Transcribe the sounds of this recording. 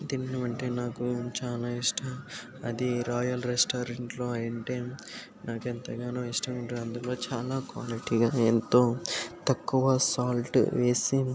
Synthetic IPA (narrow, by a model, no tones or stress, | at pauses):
d̪inːiʋɐɳʈeːnaːkut͡ʃaːnaːiʂʈʰɐ | ɐd̪iɾɔːjɐlɾesʈaːɾeɳʈlo̞ːɐjɐɳʈeː | nʔaːkent̪ɐɡaːnuːisʈɐuɳɖuɐnd̪uloːt͡ʃaːlaːkʋaːliʈiɡaːent̪o̞ːt̪ɐkːuʋɐsaːlʈʋe̞ːsi